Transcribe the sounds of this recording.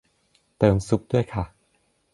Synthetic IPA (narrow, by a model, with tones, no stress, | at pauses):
t̪ɤː˧msu˧˦˥k̚du˥˩əjkʰa˥˩